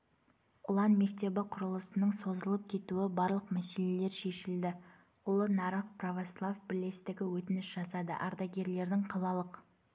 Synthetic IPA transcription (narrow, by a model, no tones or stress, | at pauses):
ʊlˠɑnme̞k̚t̪e̞bɪqʰʊɾəlˠəsənəɴso̞zəlˠəp̚kʲʰe̞t̪uɪbɑɾlˠəqmæse̞le̞le̞ɾʃe̞ʃɪld̪ɪ | ʊlˠənɑɾɑfprovoslˠavbɪɾle̞st̪ɪɡʲɪwɵt̪ɪnɪsʒɑsɑd̪ə̰ʔɑɾd̪ɑɡʲe̞ɾle̞ɾd̪ɪŋqʰɑlˠɑlˠəq